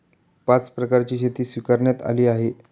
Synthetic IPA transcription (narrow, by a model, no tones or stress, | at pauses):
pat͡spɾəkaɾt͡ɕiːɕ̬et̪iːsʋikaɾɳjat̪a̰liːaɦe